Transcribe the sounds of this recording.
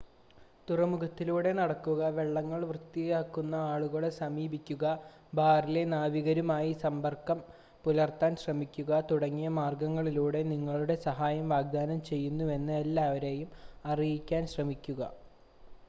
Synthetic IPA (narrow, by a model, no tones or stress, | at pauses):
t̪urɐmuɡɐt̪ːiluːɽe̞nɐɽɐkːuɣɐʋe̞ɭːɐŋːɐɭʋrɨt̪ːiɣaːkːunːɐaːɭuɣɐɭsɐmiːbikʲːuɣɐ | bʱaːrile̞naːʋiɣɐɾumaːjisɐmbɐrkːɐm | pulɐrt̪aːnɕrɐmikʲːuɣɐt̪uɽɐŋːijɐmaːrɡɐŋːɐɭiluːɽe̞niŋːɐɭuɽe̞sɐɦaːjɐmʋaːɡ̚d̪aːnɐmt͡ɕe̞jːunːue̞nːɨelːaːʋɐɾe̞ːjumɐrijikʲːaːnɕrɐmikʲːuɣɐ̰